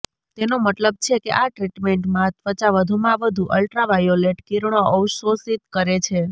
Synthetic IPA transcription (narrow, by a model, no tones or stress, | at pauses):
t̪enomət̪ləb̚t͡ʃʰekeʔaʈɾiʈmeɳʈmãt̪ʋət͡ʃaʋəd̪ʱumãʋəd̪ʱuʔəlʈɾaʋajoleʈkiɾɳoʔəwʃosit̪kəɾet͡ʃʰe